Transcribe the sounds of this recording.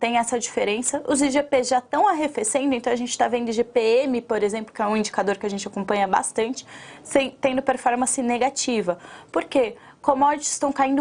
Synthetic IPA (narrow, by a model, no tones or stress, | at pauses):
t̪ẽj̃ɛsɐd͡ʒifeɾẽsɐʔʊziʒepezʒat̪ɐ̃w̃aɦefesẽd̪ʊẽnt̪ɐ̃w̃aʒẽnt͡ʃɪ̥t̪avẽnd̪ʊɪʒepeemɪpoɾezẽmplʊkɪɛũĩɲd͡ʒikad̪oɾkɪaʒẽnt͡ʃɪakõpɐ̃ɲɐba̰st̪ɐ̃nt͡ʃɪ̥sẽj̃t̪ẽnd̪ʊpeɾfɔɾmɐ̃sɪneɡat͡ʃivɐpoɾke | komɔd͡ʒɪt͡ʃɪ̥st̪ɐ̃w̃kaĩnd̪ʊ